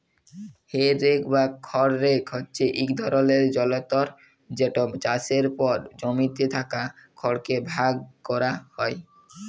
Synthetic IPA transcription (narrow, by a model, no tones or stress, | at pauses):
heɾekʰbakʰɔɾːekʰɦɔtːɕeʔikd̪ʱɔɾoleɾd͡ʑɔlot̪oɾ | d͡ʑeʈobd͡ʑaseɾpɔɾd͡ʑomit̪et̪ʰakakʰɔɾkebʱaɡ̚kɔɾahɔe